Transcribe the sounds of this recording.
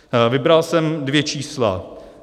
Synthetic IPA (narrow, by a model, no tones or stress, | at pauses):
vɪbɾalsɛmdvjɛt͡ʃiːsla̰